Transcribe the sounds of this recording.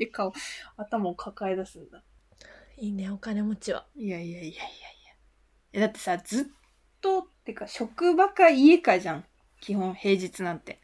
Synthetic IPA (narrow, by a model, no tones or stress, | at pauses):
t̪ekʰaoat̪amaokʰakaed̪asɨ̃nd̪a | iːne̞o̞kane̞mo̞t͡ɕiβa̰ijaijaiaijaija | ad̪at̪ːe̞̥sad͡zɨt̪ː | o̞t̪ːekaɕo̞kɯ̟bakaie̞kaʑãŋ | kʲihõ̞ɰ̃he̞ːʑit͡sɨnãnt̪e̞